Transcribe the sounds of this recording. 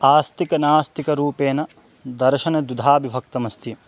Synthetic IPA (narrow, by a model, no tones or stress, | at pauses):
aːst̪ikɐnaːst̪ikɐɾuːpeːnɐd̪ɐɾʃɐnɐd̪ud̪ʱaːbʱibʱɐk̚t̪ɐmɐst̪i